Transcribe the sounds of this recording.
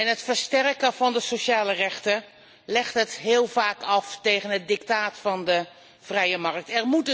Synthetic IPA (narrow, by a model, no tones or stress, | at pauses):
ɛnɦətfəɹstɛrkəv̥ɑndəsoʃaːlərɛχtə | lɛχtɦətɦɪːlˠv̥aːkɑftejχənɦət̚dɪk̚taːtfɑndə | v̥rɛjəmɑrk̚tɛrmut